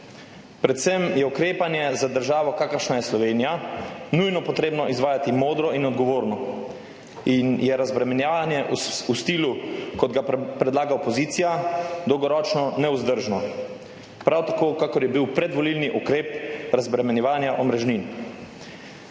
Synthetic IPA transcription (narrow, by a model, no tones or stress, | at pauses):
pɾɛt̪sɛmjɛukɾeːpanjɛzad̪əɾʒaːʋɔkaːkəɾʃnajɛslɔʋeːnijanujnɔpɔt̪ɾeːbnɔʔizʋaːjat̪imoːd̪ɾɔinɔd̪ɡɔʋoːɾnɔ | injɛɾazbɾɛmɛnjaanjɛʔust̪iːlukɔd̪ɡapɾɛd̪laːɡaɔpɔziːt̪sijad̪ɔwɡɔɾɔːt͡ʃnɔnɛuzd̪əɾʒnɔ | pɾawt̪akoːkaːkɔɾjɛbiwpɾɛd̪ʋɔlilniʔukɾeːpɾazbɾɛmɛnjɛʋaːnjaʔɔmɾɛʒnin